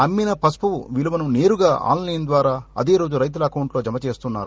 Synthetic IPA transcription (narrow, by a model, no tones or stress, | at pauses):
ɐmːinɐpɐspɐʋuʋiluʋɐnune̞ːɾuɡaːʔa̰ːnlɐjnd̪ʋaːɾaːɐ̰d̪e̞ːɾo̞ːd͡ʒuɾɐjt̪̬ulɐːkɐwuɳʈlo̞ːd͡ʒɐmɐt͡ʃe̞ːst̪unːa̰ːɾu